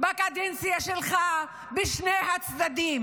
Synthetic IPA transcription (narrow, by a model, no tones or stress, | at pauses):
bakad̪ɛnsijaʃelχa | beʃnejɦat͡sd̪ad̪im